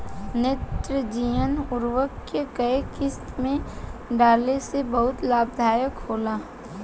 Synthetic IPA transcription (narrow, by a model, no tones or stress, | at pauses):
net̪ɾəd͡ʒiənʊɾwəkːekəekɪst̪mẽɖaːlesebɐɦʊt̪laːb̚d̪ʱaːjəkhoːlaː